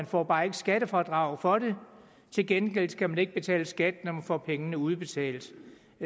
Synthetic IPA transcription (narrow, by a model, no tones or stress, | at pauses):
ænfɒ̰ːb̥ɑ̈ːe̝ɡ̥əsɡ̥æɾəfɒːd̥ʁɑ̈ʊ̰fɒ̽de̝ | t͡sʰe̝lɡ̥enɡ̥el̰d̥kʰæmæne̝ɡ̥̚b̥e̝t͡sʰɛ̰ːləsɡ̥æd̥nɒmænfɒ̰ːpʰeŋənəuð̞ˠb̥e̝t͡sʰɛ̰ːld̥